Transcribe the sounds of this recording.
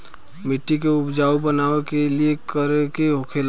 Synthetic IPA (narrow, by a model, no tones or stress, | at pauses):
mɪʈːikeʊpd͡ʒaːobənaːekeliekəɾkeɦokʰel